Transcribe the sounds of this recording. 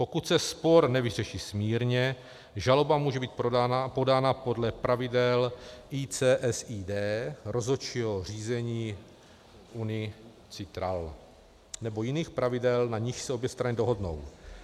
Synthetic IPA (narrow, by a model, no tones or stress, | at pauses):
po̞kut̪sɛspo̞ɾnɛvɪrɛʃiːsmiːɾɲɛ | ʒalo̞bamuːʒɛbiːt̪po̞daːnapo̞dlɛpɾavɪdɛlʔiːt͡sɛːʔɛsiːdɛːɾo̞zot͡ʃiɦo̞r̝iːzɛɲiː | ʔunɪ | t͡sɪt̪ɾal | nɛbo̞jɪniːxpɾavɪdɛlnaɲɪʃsɛo̞bjɛst̪ɾanɪdoɦo̞dno̞̰w